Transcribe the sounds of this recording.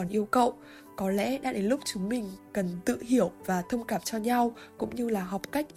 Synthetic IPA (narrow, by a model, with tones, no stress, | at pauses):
nʔi˧əwkə̰˧˨wʔ | kɔ˨˦lɛ̰˧˥ɗa̰ː˧˥ɗe˨˦nlʊ˦˥k͡p̚t͡ɕʊ˨˦ŋmï˨˩ŋ̟kə˨˩nt̪ɨ̰˧˨ɦi˧˩əwvaː˨˩t̪ʰə˧wŋ͡mkaː˧˩mt͡ɕɔ˧ɲa˧wkʊ̰˧˥ŋ͡mɲɨ˧laː˨˩ɦɔ˨˩wk͡p̚ka˦˥jk̟̚